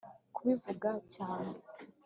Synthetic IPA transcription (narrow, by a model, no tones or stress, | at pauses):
kuβivuɡacaːne